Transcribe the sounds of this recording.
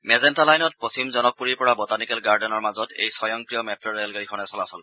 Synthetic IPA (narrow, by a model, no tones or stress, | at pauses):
mɛzɛntalajnɔt̚post͡ʃimzɔnɔk̚puɹiɹpɔɹabɔtanikɛlɡaɹdɔnɔɹmazɔtḛjsɔjɔŋkɹijɔmɛtɹɔɹɛlɡaɹixʰɔnɛsɔlasɔl